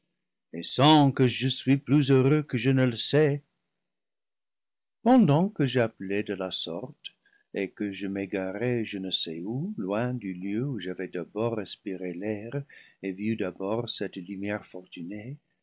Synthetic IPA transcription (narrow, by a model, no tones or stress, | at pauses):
esɑ̃kəʒəsɥiplyzøʁøkəʒənələsɛ | pɑ̃d̪ɑ̃kəʒəaplɛd̪əlasɔ̰ʁt̪ | ekəʒəmeɡaʁɛʒənəsɛulwɛ̃d̪yljøuʒavɛd̪abɔʁːɛspiʁelɛʁevyd̪abɔʁsɛt̪lymjɛʁfɔʁt̪yne